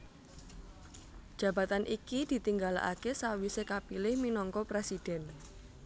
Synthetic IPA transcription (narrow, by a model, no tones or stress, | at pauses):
d̥ʒ̥ä̤ba̤t̪anʔikid̪̥i̤t̪iŋɡala̰kesawisekapilɪhminɔŋkɔpɾesid̥ɛ̤n